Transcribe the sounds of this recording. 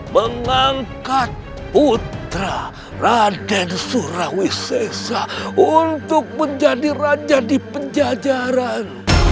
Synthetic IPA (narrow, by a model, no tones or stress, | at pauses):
məŋaŋkat̪̚ | put̪ɾa | radɛdsuɾahwisesaunt̪ʊk̚məɲd͡ʒadirad͡ʒadipəɲd͡ʒad͡ʒaɾan